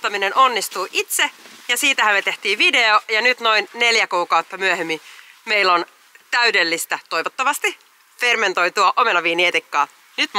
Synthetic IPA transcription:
t̪ːɑminenʔo̞nːist̪uːʔit̪sejɑsiːt̪æhæmmet̪e̞ht̪iːʋide̞ojɑnyt̪no̞inne̞ljækuːkɑut̪ːɑmyøhemːimeilːon | t̪æydelːist̪æt̪o̞jʋot̪ːɑʋɑst̪i | fe̞rme̞nt̪o̞jt̪uɑʔome̞nɑʋiːniet̪ikːɑː | nyt̪m

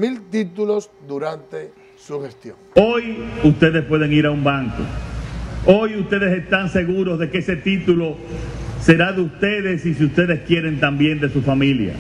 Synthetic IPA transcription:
milt̪it̪ulosd̪uɾant̪e | suhest̪joŋo̞just̪e̞ðespwe̞ð̞e̞ŋiɾaumbaŋko̰ | o̞just̪e̞ðe̞se̞st̪aŋse̞ɣuɾo̞zðe̞keese̞t̪it̪ulo̞se̞ɾaðeust̪e̞ðe̞sis̬iust̪e̞ðe̞skje̞ɾe̞nt̪ambje̞nd̪e̞sufamilja̰

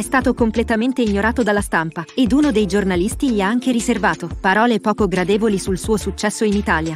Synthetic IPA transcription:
ɛst̪aːt̪okomplet̪ament̪eiɲːoɾaːt̪od̪alːast̪ampaed̪uːnod̪ejd͡ʒornalist̪iʎiaaŋk̟eɾiservaːt̪opaɾɔːlepɔːkoɡɾad̪eːvolisulsuːosut͡ʃːɛsːoinit̪aːlja

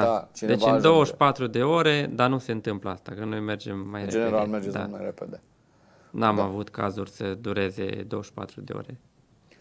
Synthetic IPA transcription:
at͡ʃd̪et͡ʃɨd̪o̞wəʃpat̪ɾud̪e̞o̞ɾe̞d̪anuse̞ɨnt̪ɨmpləast̪akəno̞jme̞rd͡ʒe̞mːajɾeeneɾalmerd͡ʒed̪a̰ulmajɾeped̪e | namavut̪ka̰zurʲsəd̪uɾe̞ze̞̰d̪o̞wəʃpa̰t̪ɾud̪e̞̰o̞̰ɾe̞̰

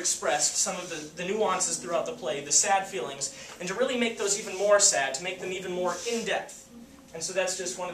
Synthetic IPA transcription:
ɨkspɹɛssʌ̃mʌvðɨðɨnʉɑ̃nsɨz̥θɹʉaʊt̪̚ðəpʰl̥eɪðɨsæd̥filˠɪ̃ŋzɨ̃ntɨɹɪlˠimeɪk̚ðoʊzivɨ̃n̩mɔɹsæd̚tʰɨmeɪk̚ðɨ̃mivɨ̃nmɔɹɪ̃ndɛp̚θ | ɨ̃nsoʊðætsd̥ʒ̥ʌst̚wʌ̃nʌ

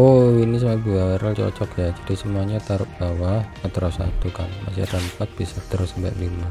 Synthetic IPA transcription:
oinis̬əmabuaaɾalt͡ʃɔ̰t͡ʃɔkjad͡ʒadisəmuaɲat̪aɾʊt̪̚b̥awamət̪əɾɔsa̰t̪ukanma̰sḭadampat̪̚b̥isat̪əɾʊsəmbɛ̰ʔlima

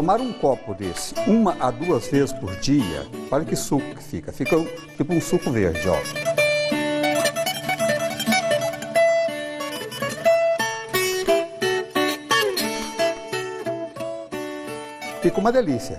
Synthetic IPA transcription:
omaɾũkɔpʊd̪esɪ̥ũmɐʔad̪uɐzvezɪspʊɾd͡ʒiɐ̰paɾɐkɪsukʊ̥kɪ̥fḭkɐfikɐt͡ʃipʊũsukʊveɾd͡ʒɪɔ̰l | fikũmɐd̪elisiɐ̰

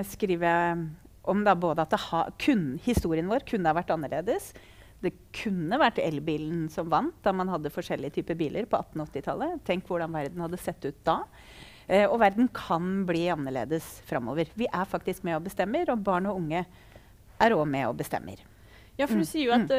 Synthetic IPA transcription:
skɾiːʋəɾjæ | ʔɔmd̪ɑboːd̪əɑt̪̚d̪ɛhɑ̰kʰʉnhɪst̪uːɾɪənʋoːɾkʰʉnːəhɑʋæʈːɑnːəɭeːd̪əs | d̪ɛ | kʰʉnːəʋæʈːɛlbiːln̩sɔmʋɑnt̪̚d̪ɑɾmɑnhɑd̪ːəfɔʂɛlːɪət̪ʰyːpəbiːlʔəɾpʰɔɑt̪ːn̩ɔɔt̪ːɪt̪ʰɑ̰lːət̪ʰɛŋkʋʊɖɑnʋæɾd̪n̩hɑd̪ːəsɛt̪ːʉːt̪̚d̪ɑ | ɔʋæɾd̪n̩kʰɑnbliːɑnːəɭḛːd̪əsfɾɑmːo̰ːʋəɾʋɪʔæɾfɑk̚t̪ɪskmɛɔbəst̪ɛmːəɾɔbɑːɳɔʊŋːə | ʔæɾɔmɛɔ̰bəst̪ɛ̰mːə̰ɾ | jɑːfɔɖʉsiːəɾjʊɑ

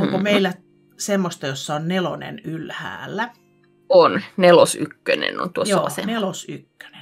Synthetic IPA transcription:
oŋkomeilːæ | semːost̪ɑjosːɑonnelo̰nḛnylhæ̰ːlːæ | onnelosykːø̰nḛno̰nt̪uojoːɑsḛnelosy̰kːø̥ne̥n

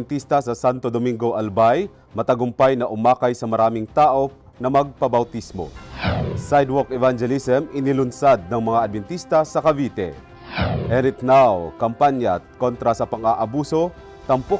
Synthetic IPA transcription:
nt̪ist̪ɐsɐsant̪od̪omiŋɡoʔɐlbaj | mɐt̪ɐɡʊmpajnɐʔʊmaːkajsɐmɐɾaːmɪŋt̪aːʔo̞ | nɐmɐɡ̚pɐbawt̪ismo̰ | sajd̪wɔkɛvand͡ʒɛlisɛmɪnɪlʊnsad̪̚nɐŋmɐŋaːd̪̚vɛnt̪ist̪ɐsɐkɐvit̪ɛ̰ | ʔɛɾɪt̪nawkɐmpanjakont̪ɾasɐpɐŋaʔabuːso̞ | t̪ɐmpo

